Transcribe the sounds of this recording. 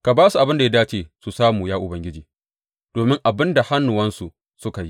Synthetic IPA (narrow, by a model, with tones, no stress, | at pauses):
ka˨baː˦su˨ʔa˨bɪ˦nda˨ja˦daː˦t͡ʃeː˨su˨saː˦muː˨jaː˦ʔʊ˨bɐ˦ŋɡʲɪ˦d͡ʒiː˨ | d̥oː˨mɪ˦ŋʔa˨bɪ˦nda˨ha˦nːʊ˨wɐ˦nsu˨ʔ | sʊ˦ka˨ji˦